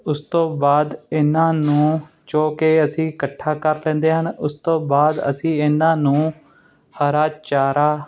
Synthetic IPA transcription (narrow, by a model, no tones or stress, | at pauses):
ʊst̪õːbaːd̪ɪnãːnũː | t͡ʃoːkeːəsĩːkəʈʰːaːkəɾlɛ̃ːnd̪eːɦənʊst̪õːbaːd̪ə̰sĩːɪnãːnũː | həɾaːt͡ʃaːɾaː